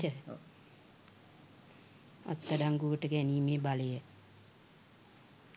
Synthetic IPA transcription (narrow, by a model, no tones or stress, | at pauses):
ə | o̰t̪ːədaŋɡuəʈəɡæniːmeːbaləjə